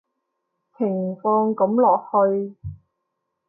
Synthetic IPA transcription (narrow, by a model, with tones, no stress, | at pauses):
pʰɪ˨˩ŋfɔː˧ŋkɐ˨˥mlɔː˨k̚hɵ˧ɥ